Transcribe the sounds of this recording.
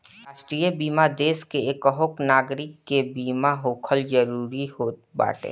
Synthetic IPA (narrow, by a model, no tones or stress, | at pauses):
ɾaːʃʈɾijəbiːmad̪eːskeeːkəɦʊknaːɡɾɪkːebiːmaɦoːkʰəld͡ʒəɾuːɾihoːt̪̚ba̰ːʈḛː